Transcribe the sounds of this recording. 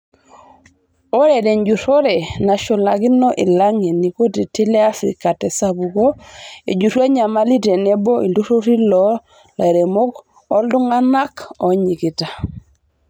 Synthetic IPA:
o˦ɾɛ˨dɛ˨nd͡ʒu˨ɾo˦ɾɛ˨na˨ʃo˨la˨kɪ˦nɔ˦ʔi˨la˦ŋe˨ni˨ko˦ti˨ti˦le˦a˦fɾḭ˨ka˨tɛ˨sa˦bu˨ɡo˦ḛ˨d͡ʒu˨ɾwa˦ɲa˨ma˦li˦te˨ne˦bɔ˦ḭ˨ndu˦ɾo˦ɾi˦lɔ˨˦ | la̰˨ɾe˨mo˦k | ɔ˦ldʊ˦ŋa˦na˦kɔ˨ɲi˨kɪ˨ta˨

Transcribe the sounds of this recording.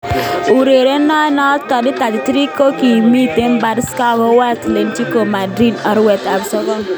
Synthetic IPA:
u˨ɾe˨ɾe˦na˦nɔ˦tɔ˨dɪ˦ta˨di˨tɾi˦ko˦ki˨mi˦˨te˦m˦ba˨˦dska˦ɡɔ˦wa˦tle˨nt͡ʃi˦ko˨ma˨dɾi˦dɔ˨ɾwɛ˨ta˨bsɔ˦ɡɔ˦ŋ

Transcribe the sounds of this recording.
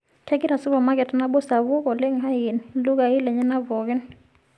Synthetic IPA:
kʰɛ˦ki˦ɾa˨su˦vɔ˨ma˦k̬ɛ˨ta˦na˦ɓɔ˦sa˨βu˦k̬ʼɔ˨le˦ŋ̩˨ɦa˦ji˨nilu˦k̬a˨i˦lɛ˨ɲɛ˦na˦vɔː˨kɛ˦n

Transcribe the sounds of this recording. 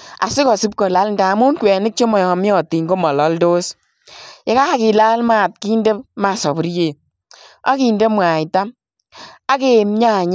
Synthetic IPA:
a̰˨sɪ˦kɔ˨si˦p̚kɔ˨la˦ln˨da˨mu˦nkwɛ˨nɪ˦k̚t͡ʃo˦mɔ˨jɔ˨mi˦ɔ˨ti˨ŋɡo˦mɔ˨lɔ˨˦ldo˦s | jɛ˦ka˦a˦kɪ˨la˦lma˦˨t̚ki˦nde˦pma˨sɔ˨bu˦ɾje˨ | a̰˦ki˨nde˦mwa˨jta˦m | a˦ke˨m˦ɲa˦˨ɲ˦

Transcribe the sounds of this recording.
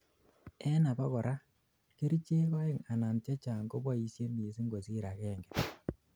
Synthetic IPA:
ɛ˦na˨pa˦kɔ˨ɾʔa˦ | ke˦ɾi˦t͡ʃe˦ka˦ɪ˨ŋa˨na˨nt͡ʃe˦t͡ʃa˨ŋɡo˦bwa˦i˨sje˦mi˨e˨si˦ŋɡo˨si˦ɾa˨kɛ˦˨ŋɡɛ˨

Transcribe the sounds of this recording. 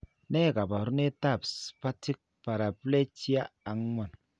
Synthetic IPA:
ne˦˨ka˨ba˨ɾu˦ne˦ta˦˨pspa˦ti˦k̚pa˨ɾa˨ple˦ti˦a˦a˨ŋ˦ŋʷa˨n

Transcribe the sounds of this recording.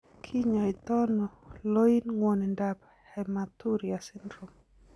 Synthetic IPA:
kʰi˦ɲɔ˨i˨t̪ɔ˦nɔ˨lo˦i˦nŋwɔ˨nɛ˨nda˨p | hɛmat̪u˦ɾiasi˦ndɾu˨m

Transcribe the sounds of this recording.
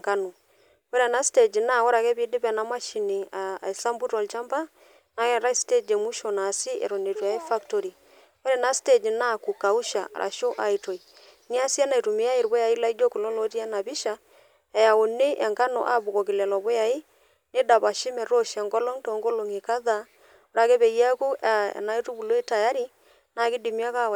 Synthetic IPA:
ŋka˦no˨ | o˦ɾɛ˨na˦ste˨d͡ʒi˨na˦˨ɔ˦ɾa˨kɛ˦βi˦dɪ˦pɛ˨na˨˦ma˦ʃi˨ni˨a̰˨i˨sa˦mbu˦ɾɔ˨lt͡ʃa˦mba˦ | na˨kɛ˦˨ɾa˦i˦ste˦d͡ʒe˨mu˦ʃo˨na˨sɪ˦ʔɛ̰˨ɾo˨ne˨twɔ˨ja˨˦i˦fa˦kto˨˦ɾi˨ | o˦ɾɛ˨na˦ste˦˨d͡ʒna˦ku˨ka˨u˦ʃa̰˨ɾʔa̰˨ʃo˦ʔa˨i˨to˨i˨ | ni˦a˦si˦a˦na˨i˨tu˨me˨˦a˦e˨ɾbo˦ja˨i˦la˦i˦d͡ʒo˦ku˨lo˦lo˦t̬i˦a˦na˨βi˦ʃa˨ | ɛ˨ja˨o˨ne˦ʔɛ˨ŋka˦nɔ̰˨ʔa̰˦βu˨kɔ˨kɪ˨lɛ˨lɔ˨βɔ˦ja˨i˦ | ne˦da˨βa˨ʃi˦mɛ˨ɾo˦ʃɛ˨ŋɡɔ˦lɔ˦ŋto˨˦ŋɡo˦lo˨ŋe˨ka˦ða˦ | o˨ɾa˨ke˦βe˨ja˦ku˦a̰˨na˦i˦tu˦bu˨lo˦i˦ta˨ja˦ɾi˦ | na˨kɪ˦di˨mi˦a˦ka˦

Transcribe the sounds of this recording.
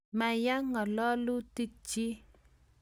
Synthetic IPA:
ma˨ja˦ŋɔ˨lɔ˦lu˦ti˦k̚t͡ʃi˦

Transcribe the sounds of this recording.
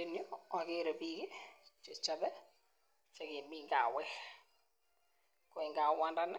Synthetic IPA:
e˨njo˦a˨ke˦ɾo˨pi˦ke˦t͡ʃe˨t͡ʃa˨bɛ˦ | t͡ʃa˨kɪ˨mi˦ŋɡa̰˨wɛ˦ | kɔ˨ɪ˨ŋɡa˨wa˦nda˦n˦

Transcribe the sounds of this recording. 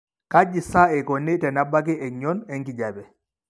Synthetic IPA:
ka˦d͡ʒi˨sa˦ɛ˨kɔ˨ni˦tɛ˨na˦ba˦k̬i˦ʔɛ˨ɲɔ˦nɛ˦ŋki˨ɟa˨bɛ˨

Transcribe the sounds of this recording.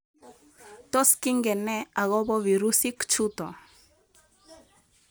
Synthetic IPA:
t̪ɔ˦ski˦ŋɡɛ˨nɛ˦a˨ɣɔ˦bɔ˦wi˨ɾu˦si˦kt͡ʃu˦t̪ɔ̰˨

